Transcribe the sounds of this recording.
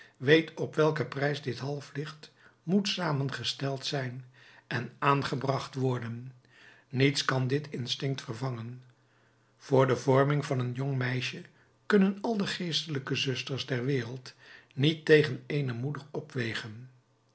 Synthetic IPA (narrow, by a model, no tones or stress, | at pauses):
ʋejtɔpʋɛlˠkəprɛjsdɪtɦɑlˠflɪχt | mutsaːmənχəstɛlˠtsɛjn | ɛnʔaːnχəbrɑχtʋɔɹdənː | itskɑndɪtʰɪnstɪŋk̚tfəɹvɑŋən | v̥ʊːɹdəvɔɹmɪŋvɑnənjɔŋmɛjʃə | kɵnənɑlˠdəχejstələkəzɵstəɹsdɛrʋɪːrəlˠt | nitejχənejnəmudərɔpʋejχən